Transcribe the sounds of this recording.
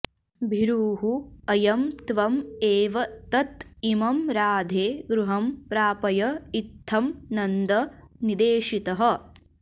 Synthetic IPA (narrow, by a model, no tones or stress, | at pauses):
bʱiɾuːɦuɐjɐmt̪ʋɐmeːʋɐt̪ɐt̪imɐmɾaːd̪ʱeːɡɾuɦɐmpɾaːpɐjɐit̪ʰːɐmnɐnd̪ɐnid̪eːʃit̪ɐɦɐ̆